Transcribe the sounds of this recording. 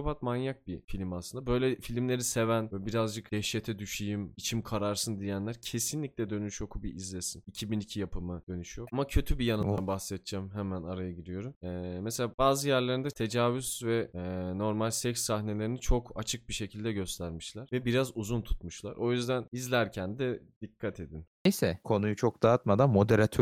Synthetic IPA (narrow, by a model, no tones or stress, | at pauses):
opat̪manjak̚bifilʲimaslɯnd̪abø̞jlʲɛfilʲimlʲe̞ɾise̞vænɛbiɾazd͡ʒɯkd̪̥ɛʃɛt̪ʰɛd̪yʃijimit͡ʃʰimkʰaɾaɾsɯnd̪ijænlʲæɾcʰe̞sinlʲiclʲɛd̪ø̞nyʃjo̞kʰubiʔizlʲesinicʰibinicʰijapʰɯmɯd̪̥ø̞nyʃijo̞amacʰø̞t̪ʰybijanɯnd̪a̰nbaxsɛt̪̚d͡ʒamɦɛmænaɾajaɟid̪ijo̞ɾumɛːmeselʲaːbaːzɯjæɾlʲeɾind̪ɛt̪ʰe̞d͡ʒaːvyz̥vɛno̞ɾmalʲsɛksːahne̞lʲe̞ɾinit͡ʃʰo̞kat͡ʃʰɯk̚biʃe̞cʰilʲd̪ɛɟø̞st̪ʰæɾmiʃlʲæɾ̥vɛbiɾazuzunt̪ʰu̥t̪muʃlˠa̰ɾʔo̞jyzd̪ænizlʲæɾcʰænd̪ɛd̪̥ikʰːat̪ʰe̞d̪innejsɛkʰo̞nujut͡ʃʰok̚d̪aːt̪mad̪anmo̞d̪eɾat̪ʰø